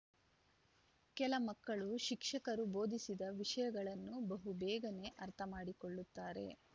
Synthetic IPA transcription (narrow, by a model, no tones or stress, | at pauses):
kɛlɐmɐkːɐɭuʃikʂɐkɐɾubo̞ːd̪isid̪ɐʋiʂɐjɐɡɐɭɐnːubɐɦubɛːɡɐne̞ʔɐɾt̪ʰɐmaːɽikoɭːut̪ːaːɾe̞̰